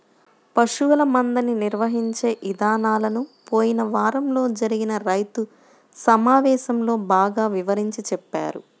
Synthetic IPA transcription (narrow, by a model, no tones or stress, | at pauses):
pɐʂuʋɐlɐmɐnd̪ɐniniɾʋɐɦiɲt͡ʃe̞ːʔid̪aːnaːlɐnupo̞ːjinɐʋaːɾɐmlo̞ːd͡ʒɐɾiɡinɐɾɐjt̪u | sɐmaːʋɛːʃɐmlo̞ːbaːɡaːʋiʋɐɾiɲt͡ʃit͡ʃɛpːa̰ːɾṵ